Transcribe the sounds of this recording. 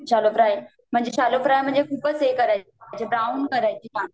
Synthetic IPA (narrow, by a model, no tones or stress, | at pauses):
ɕaːlofɾaːe | mʊ̃ɦɪ̃ɲd͡ʑeʃaːlofɾaːjmʊ̃ɦɪ̃ɲd͡ʑekʰuːbəsekɐɾa | t͡ɕebɾaːʊnkɐɾaːt͡ɕʰiãː